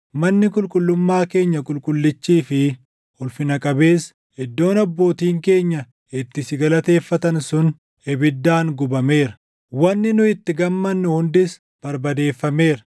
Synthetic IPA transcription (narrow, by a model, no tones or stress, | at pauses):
mɐnːɪkʼʊlkʼʊlːʊmːaːke̞ːɲːɐkʼʊlkʼʊlːɪt͡ʃːiːfɪ | ʊlfɪnɐkʼɐbe̞ːs | hɛd̪ːo̞ːnɐbːo̞ːt̪iːŋke̞ːɲːɐ | ɪt̪ːɪsɪɡɐlɐt̪e̞ːfːɐt̪ɐnsʊn | ɛbɪd̪ːaːŋɡʊbɐme̞ːɾɐ̥ | wɐnːɪnʊɪt̪ːɪɡɐmːɐnːʊhʊnd̪ɪs | b̥ɐɾbɐd̪e̞ːfːɐme̞ːɾɐ